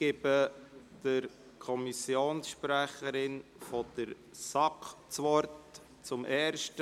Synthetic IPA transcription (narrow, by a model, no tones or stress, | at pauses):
ɪbəd̥əɾ | kʰɔmisjoːnsʃpɾæχəɾɪnfɔd̪̥əɾ | sɑkt͡sʋɔɾt | t͡sʊmʔɛːɾʃt